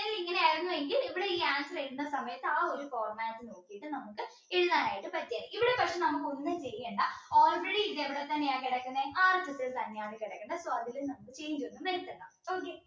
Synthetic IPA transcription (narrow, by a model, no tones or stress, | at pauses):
eŋɡiliŋːɐneaːjiɾunːuʋe̞ŋɡiliʋiɽeiːaːnsɨleɽunːɐsɐmɐjɐt̪ːɨaːo̞ɾufoːrmaːsɨno̞ːkːijiʈːɨnɐmukːɨ | iɻuðaːnaːjiʈːɨpɐʈːjaːðɨiʋiɽe̞pɐkʂe̞nɐmukːɨonːɨnt͡ɕeɾjeɳɖɐoːlreɽiid̪eʋiɽet̪ːɐnːejaːkiɽɐkːɐnːeʔaːrt̪ɐsest̪ɐnːejaːðekiɽɐkːɐɳɖɐsoːɐðilumnɐmukːɨt͡ɕe̞ːɲd͡ʑuʋenːumʋɐɾit̪ːɐɳːɖa̰ | oːke